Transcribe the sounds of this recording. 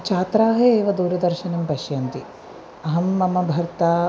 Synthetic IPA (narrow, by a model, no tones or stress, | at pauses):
t͡ʃʰaːt̪ɾaːɦɐeːʋɐd̪uːɾɐd̪ɐɾʃɐnɐmpɐʃjɐnt̪i | ɐɦɐmːɐmɐbʱɐɾt̪aː